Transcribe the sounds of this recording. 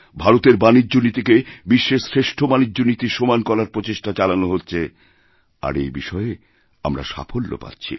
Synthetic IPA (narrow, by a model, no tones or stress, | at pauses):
bʱaɾot̪eɾbanid͡ʑːonit̪ikebiʃːesɾeʃʈʰobanid͡ʑːonit̪iʃomankɔlaɾpɾot͡ɕeʃʈat͡ɕalanoɦotːɕʰe | a̰ɾejbiʃɔee | a̰mɾa̰ʃa̰pʰolːo̰pa̰tːɕʰḭ